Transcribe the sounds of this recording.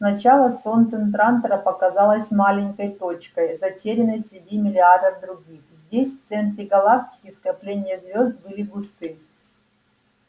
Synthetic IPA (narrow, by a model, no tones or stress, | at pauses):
snɐt͡ɕalˠəso̞nt̪sɨnt̪̬ɾant̪əɾəpɐkɐzalˠəsʲmalʲɪnʲkəjt̪o̞t͡ɕkəjzɐtʲeɾʲɪnəjsʲɾʲɪdʲimʲɪlʲɪad̪əvd̪ɾʊɡʲixzʲdʲesʲft̪sɛnt̪ɾʲɪɡɐlˠak̚tʲɪ̥kʲɪskɐplʲenʲɪjəzvʲo̞zd̪̚bɨlʲɪɡʊst̪ɨ